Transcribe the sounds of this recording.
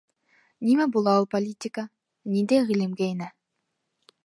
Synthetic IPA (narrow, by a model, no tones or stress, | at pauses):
nimæbulˠɑulˠpolʲit̪ʲika | nind̪ejʁilʲimɡæinæ